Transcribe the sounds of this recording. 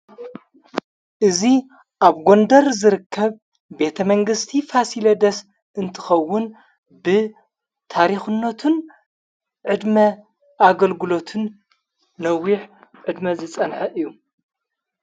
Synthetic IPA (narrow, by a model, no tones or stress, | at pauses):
ʔɨzi | ʔaβɡo̞nd̪ɐɾzɨɾɨkːɐβ | be̞t̪ʰɐmɐŋɡɨst̪ʰifasilɐd̪ɐs | ɨnt̪ʰɨ̥xɐwːʊn | bɨ | t̪ʰaɾixɨnːot̪ʰɨn | ʕɨd̪mɐ | ʔaɡɐlɡɨlo̞t̪ʰɨnː | ɐwiħʕɨd̪mɐzɨt͡sʼɐnħɐʔɨjːu